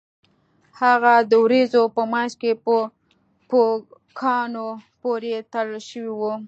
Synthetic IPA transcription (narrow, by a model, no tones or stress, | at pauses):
haɣad̪əwɾezopəmɑʃkep | po | kʰɑnopoɾet̪aɽəlʃəwiwu